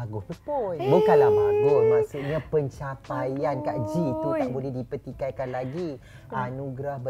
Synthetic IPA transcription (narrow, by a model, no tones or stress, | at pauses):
aɡʊhojbukanlamaɡʊhmãsuʔɲãpəɲt͡ʃapajankaʔd͡ʒit̪ut̪aʔbulɛhdipət̪ikajkanlaɡi | ʔanuɡɾahbə